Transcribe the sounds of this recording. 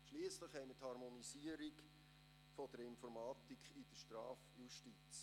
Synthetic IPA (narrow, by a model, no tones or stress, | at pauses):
ʃliːəsləχhɛɪməthɑɾmonisiːəɾik | fod̥əɾɪnfɔɾmɑːt̪ikχid̥əʃtrɑːfjuʃtit͡s